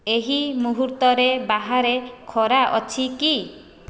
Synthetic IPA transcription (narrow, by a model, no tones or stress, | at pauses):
eɦimuɦuɾt̪ɔɾebaɦaɾekʰɔɾaʔɔt͡ʃʰiki